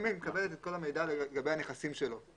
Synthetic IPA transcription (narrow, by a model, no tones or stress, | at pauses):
mimkabe̞let̪et̪̚ko̞lame̞jdaleɡabe̞jhane̞χasimʃe̞lo̞